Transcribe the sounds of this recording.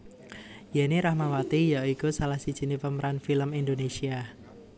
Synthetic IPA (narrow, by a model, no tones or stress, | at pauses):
janiɾahmawat̪ijaikusalahsid̥ʒ̥i̤nipəməɾanfiləmindonesia